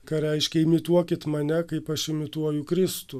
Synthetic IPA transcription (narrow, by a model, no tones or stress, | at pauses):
kɐɾʲɛɪʃʲkʲɛɪmʲɪt̪uɔkʲɪt̪mɐnʲɛkɐɪpɐʃɪmʲɪt̪uɔjʊkɾʲɪst̪ʊ